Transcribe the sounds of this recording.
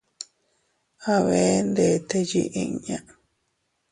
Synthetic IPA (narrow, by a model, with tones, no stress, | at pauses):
a˧βe˦nd̪e˨t̪e˧jḭ˦ʔĩ˧ɲã˦˧ʔ